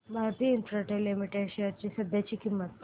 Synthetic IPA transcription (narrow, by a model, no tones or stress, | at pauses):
bʱaɾt̪iəinfɾaʈəɾlimiʈeɖʃejəɾt͡ɕisəd̪ʱjat͡ɕiːkimːət̪̚